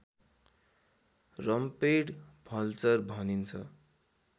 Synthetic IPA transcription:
rʌmpejɽbʱʌlt͡sʌrbʱʌnint͡sʰʌ̰

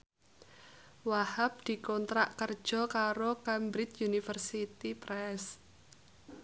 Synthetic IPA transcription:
wahap̚d̪̥i̤kɔnt̪ɾaʔkər̥ʒ̥ɔ̤kaɾokambɾɪt̪junifərsit̪ipɾɛs

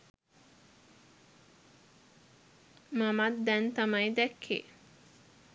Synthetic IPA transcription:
mamat̪d̪ɛnt̪amajd̪ɛkʰːḛː

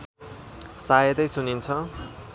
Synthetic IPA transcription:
sajʌd̪ʌjsunint͡sʰʌ

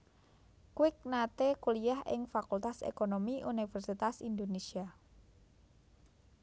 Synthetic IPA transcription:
kwɪk̚nat̪ekuliahʔɪ̰ŋfakult̪asḛkonomiʔunifɛrsit̪asind̪onesia

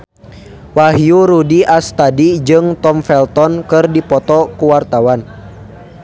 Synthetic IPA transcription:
waɦjuɾudiʔast̪adid͡ʒɨŋt̪ɔmfɛlt̪ɔnkɨrdipɔt̪ɔkuwart̪awan

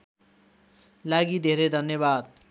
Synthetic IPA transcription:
laɡid̪ʱeɾed̪ʱʌnjʌbad̪

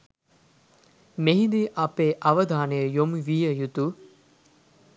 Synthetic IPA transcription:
meɦid̪iʔɐpeːʔɐʋəd̪aːnəjəjomuʋijəjut̪u

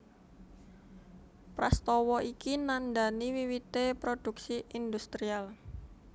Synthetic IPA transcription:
pɾast̪ɔwɔʔikinand̪aniwiwit̪epɾod̥ṳksiind̪ust̪ɾial

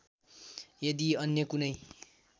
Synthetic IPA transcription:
jʌd̪iʌnjʌkunʌj

